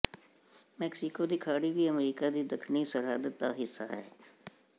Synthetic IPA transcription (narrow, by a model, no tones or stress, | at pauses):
meːksɪkod̪ikʰaːɽibʱiəmɾiːkad̪id̪ɐkʰnisəɽ̤aːd̪ət̪ːaɦɪsːa̰ɦɛ̰ː